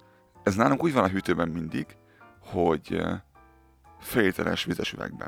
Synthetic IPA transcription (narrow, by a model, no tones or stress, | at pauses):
ɛznaːluŋkuːɟvɒnɒɦyt̪øːbɛmːind̪iɡ̥ | ho̞ɟ | fɛleːt̪ʰɛlʔɛ̰ʃʋizɛʃyvɛ̰ɡ̚bɛ̰